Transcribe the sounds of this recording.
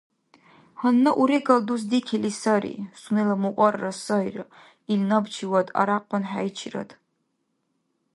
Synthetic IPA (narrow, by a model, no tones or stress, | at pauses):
hanːɐʔuɾiɡɐlduzdikʲʰilisaɾḭsunelɐmuqʷʼɔrːɐsɐjrɨ̰ | ilnɐbt͡ʃʰiwadʼa̰ɾaqʷʼɔnħajt͡ʃʰirɐ̰d